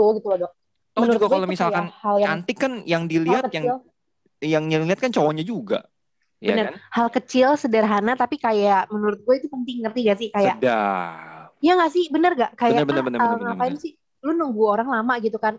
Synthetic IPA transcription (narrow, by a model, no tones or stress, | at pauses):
uɡit̪ulɔdɔʔ̚ | t̪ɔmənt̪ɡaɡalomisalkanhaljaant̪ɪkːanjaŋdiliatkəjaŋl | jaŋniliat̪̚kant͡ʃowaɲad͡ʒuɡa̰ | jabə̰nərnhalkət͡ʃɪlsədərɦanat̪apikajaʔmənuɾʊt̪̚ɡuait̪upənt̪ɪŋkərt̪iɡas̬ɪhkajaʔda̰ | jaŋɡaʔsɪhbənərɡaʔkajjanəbənərbənəŋapaɪnsɪh | lʊnuŋɡuoɾaŋlamaʔɡit̪ukan